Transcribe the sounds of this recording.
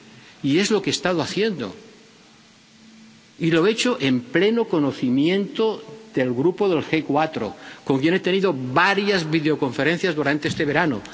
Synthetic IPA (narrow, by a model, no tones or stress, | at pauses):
ie̞zlo̞kest̪aðoaθjend̪o̰ | iloet͡ʃoʔemplenokonoθimje̞nt̪oðelɣɾupoðe̞lxekwat̪ɾo̰koŋkje̞net̪eniðoβaɾjazβiðeoko̞ɱfeɾẽn̟θjazðuɾant̪eest̪eβe̞ɾano̰